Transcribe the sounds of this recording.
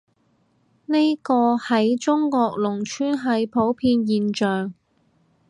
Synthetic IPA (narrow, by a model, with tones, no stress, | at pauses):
ne˥jkɔː˧hɐ˨˥jt͡ʃʊ˥ŋkɔː˧k̚lʊ˨˩ŋt͡ʃʰyː˥nɦɐ˨˥jpʰo˨˥wpʰiː˧njiː˨nt͡ʃœː˨ŋ